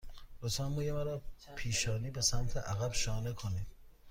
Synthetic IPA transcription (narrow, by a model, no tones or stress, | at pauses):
d̪osɑnmoːjemæɾɒːpʰiːʃɒːniːbesæmt̪ʰeʔæɣæbʃɒːnekʰoniːd̪̥